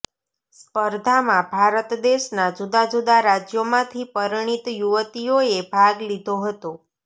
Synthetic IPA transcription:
spəɾd̪ʱamãbʱaɾət̪d̪eʃnad͡ʒud̪ad͡ʒud̪aɾad͡ʒjomãt̪ʰipəɾɳ̃it̪juʋət̪ioebʱaɡlid̪ʱoɦət̪o

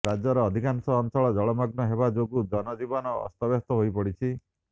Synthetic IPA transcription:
ɾad͡ʒɔɾɔːd̪ʱikansɔːnsɔɭɔd͡ʒɔɭɔmaɡnɔɦebad͡ʒoɡud̪ɔnɔd͡ʒibɔnɔ̰ːst̪ɔbest̪ɔɦojpɔɽit͡ʃʰi

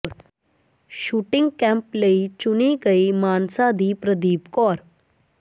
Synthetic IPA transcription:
ɾ | ɕuʈiŋɡkɛ̃mpləit͡ɕunikəimansad̪ʱiːpɾəd̪iːpkɔɾ

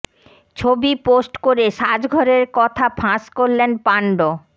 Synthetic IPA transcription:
t͡ɕʰobiposʈkoɾeʃad͡ʑɡʱɔɾeɾkɔt̪ʰapʰãskoɾlenpaɳɖo

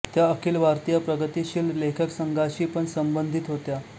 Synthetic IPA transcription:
t̪jaəkʰiːlʋʱaɾt̪ijapɾəɡət̪iɕiːllekʰəksəŋɡʱaɕiːpəɳsəmbənd̪ʱit̪ɦot̪ja

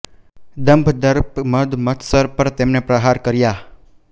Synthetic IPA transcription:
d̪əmbʱd̪əɾpməd̪mət̪ʰsəɾpəɾt̪emnepɾəɦaɾkəɾja

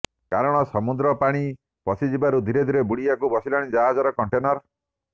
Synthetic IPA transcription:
kaɾɔɽ̃ɔsɔmud̪ɾɔpaɽ̃i | pɔsid͡ʒibaɾud̪ʱiɾed̪ʱiɾebuɽiakubɔsilɔɽ̃id͡ʒaɦad͡ʒɔɾɔkɔɳʈenɔɾ

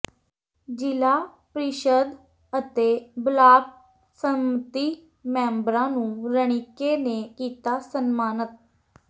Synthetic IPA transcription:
d͡ʒɪlaː | pɾiʃəd̪ | ət̪eːblaːk̚ | səmət̪iː | mɛ̃ːmbɾãːnũːɾəɳ̃ɪkeːneːkiːt̪aːsənmaːnət̪̚

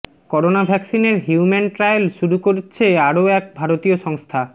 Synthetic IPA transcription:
kɔɾonabʱɛksineɾɦiumenʈɾajlʃuɾukoɾet͡ɕʰeaɾoɛk̚bʱaɾot̪ioʃɔŋst̪ʰa

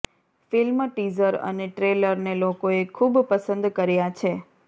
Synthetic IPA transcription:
filmʈizəɾə̰neʈɾeləɾnelokoekʰubpəsə̃nd̪kəɾjat͡ʃʰe

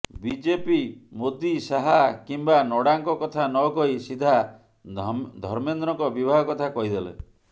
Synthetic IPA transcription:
bid͡ʒepimod̪isaɦakimbanɔɽaŋkɔkɔt̪ʰanɔkɔisid̪ʱa | d̪ʱɔɾmend̪ɾɔŋkɔbibʱaɦɔkɔt̪ʰakɔɦid̪elḛ

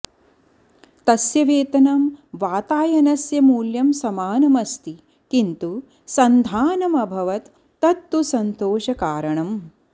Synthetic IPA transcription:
t̪ɐsjɐʋeːt̪ɐnɐmʋaːt̪aːjɐnɐsjɐmuːljɐmsɐmaːnɐmɐst̪i | kint̪u | sɐnd̪ʱaːnɐmɐbʱɐʋɐt̪ː | ɐt̪ːusɐnt̪oːʃɐkaːɾɐɳɐm

